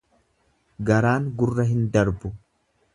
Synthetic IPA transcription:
ɡɐɾaːŋɡʊrːɐɦɪnd̪ɐɾbʊ

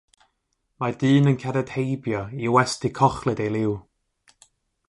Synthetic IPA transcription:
madɨːnənkʰɛɾɛd̥hejbjɔiwɛstɪkʰɔχlˠɨdejlˠɪw

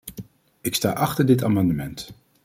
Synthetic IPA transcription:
ɪksta̰ːʔɑχtəɹdɪtaːmɑndəmɛnt

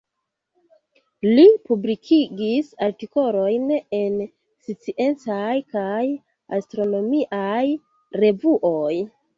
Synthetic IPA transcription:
lipublikʰiɡisaɾtiko̞lo̞jne̞n | sit͡siʔe̞nt͡sajkaj | a̰stɾo̞no̞miʔaj | ɾe̞vuʔoj

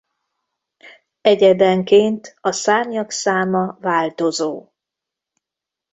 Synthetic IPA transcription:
ɛɟɛd̪ɛŋkeːnt̪ɒsaːmjɒksaːmɒvaːlt̪o̞zoː

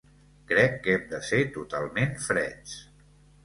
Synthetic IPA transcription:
kɾɛkːɛmd̪əset̪ut̪alˠmenfɾɛt͡s

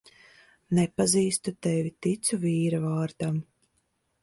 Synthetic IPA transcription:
nɛpaziːst̪ut̪ɛvʲit̪it̪suviːɾavaːɾd̪am

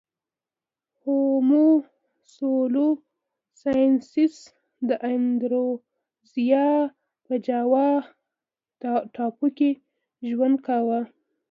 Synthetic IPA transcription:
homu | solo | sɑjnsɪs | d̪əʔand̪ɾo | zijɑ | pəd͡ʒɑwɑ | ʈʰɑpuke | ʒwand̪̚kawa

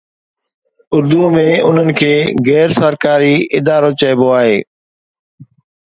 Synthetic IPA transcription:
ʊɾd̪umẽʊn̤ənɪ̆kʰeːɣɛːɾsəɾkaːɾiɪd̪aːɾot͡ɕɐɪboaːɦeː

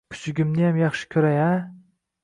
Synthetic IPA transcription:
kʲʰʊ̥t͡ʃɪɡʲɪmnɪjamjɑχʃɪ̥kʲʰʊɾaja

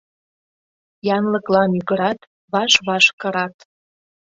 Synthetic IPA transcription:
jɑnləklɑnyɡəɾɑt̪ | βɑʃβɑʃkə̆ɾɑt̪

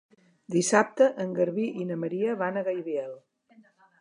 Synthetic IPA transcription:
d̪isap̚t̪əʔəŋɡəɾβiʔinəməɾiəβanəɣajβiɛlˠ

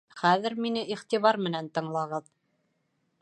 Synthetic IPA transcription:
χæðɘ̆ɾminɘʔiχt̪iβɑɾmɘ̆nænt̪ɤ̆ɴlˠɑʁɤð

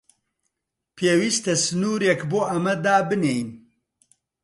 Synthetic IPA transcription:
pʰeːwiːst̪ɐsɨnuːɾekboːʔɐmɐd̪aːbɨnejn

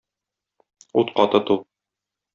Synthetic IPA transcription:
ut̪qɒt̪ɤt̪ul

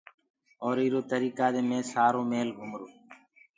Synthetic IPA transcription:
oːɾiːɾoːt̪əɾiːkaːd̪eːmẽːsaːɾoːmeːlɡʱʊmɾoː

